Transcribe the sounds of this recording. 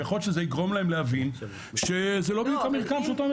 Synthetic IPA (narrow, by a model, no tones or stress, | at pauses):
aχotʃezeiɡʁo̞mlaemleavin | ʃezelobdjukamiʁkamʃeot̪ome